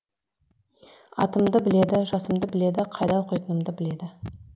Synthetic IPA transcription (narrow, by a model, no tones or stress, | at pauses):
ɑ̰t̪əmd̪əbɪle̞d̪ɪʒɑsəmd̪əbɪle̞d̪ɪqʰɑjd̪ɑwoqəjt̪ənəmd̪əbɪle̞d̪ɪ